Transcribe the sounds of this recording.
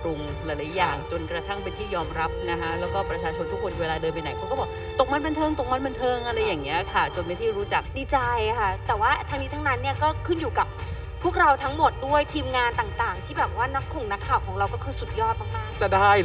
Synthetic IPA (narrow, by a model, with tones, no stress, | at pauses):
kɾu˧ŋ | la˨˦jla˩˦jaː˨˩ŋt͡ɕo˧nkɾa˧t̪ʰa˥˩ŋpe˧nt̪ʰiː˥˩jɔː˧mɾa˦˥p̚na˦˥kʰa˦˥lɛː˦˥wkɔː˥˩pɾa˧t͡ɕʰaː˧t͡ɕʰo˧nt̪ʰu˦˥kʰːo˧nmi˧weː˧laː˧dɤː˧mpa˧jna˨˩˦jkʰa˧˦˥kɔ˥˩bɔː˨˩˦ | t̪o˨˩k̚ma˥˩nba˧nt̪ʰɤː˧ŋt̪o˨˩k̚ma˦˥˩ba˧nt̪ʰɤː˧ŋʔa˧ɾa˧jːaː˨˩ŋni˦˥ɐkʰa˥˩t͡ɕo˧nma˧jt̪ʰiː˥˩ɾuː˦˥t͡ɕa˨˩k̚diː˧˩t͡ɕa˧jkʰa˥˩t̪ɛː˨˩waː˥˩t̪ʰa˦˥ŋni˦˥t̪ʰa˦˥na˦˥nːi˥˩ɐkɔː˥˩kʰɯ˥˩njuː˨˩ka˨˩p̚ʰː | u˥˩ək̚ɾa˧wt̪ʰa˦˥ŋmo˨˩t̪̚du˥˩əjt̪ʰiː˧mŋaː˧nt̪aː˨˩ŋt̪aː˨˩ŋt̪ʰiː˥˩bɛː˨˩p̚waː˥˩na˦˥kʰːo˨˩ŋna˦˥kʰːaː˨˩wkʰɔː˩˦ŋɾa˧wkɔː˥˩kʰɯː˧su˨˩t̪̚jɔː˥˩t̪̚maː˨˧˩k̚maː˥˩ŋt͡ɕa˨˩daː˥˩j